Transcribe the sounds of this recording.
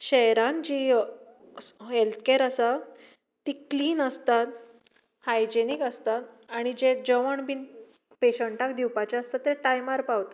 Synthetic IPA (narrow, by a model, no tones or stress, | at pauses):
ɕɛɦɾãnd͡ʑi | ɦelt̪ʰkeɾəsaː | ikliːnəst̪at̪ | hajd͡ʑenikəst̪at̪aɽ̃id͡ʑed͡ʑəʋəɳbin | peɕəɳʈakd̪iwpat͡ɕaəst̪at̪ːeʈajmaɾpawt̪a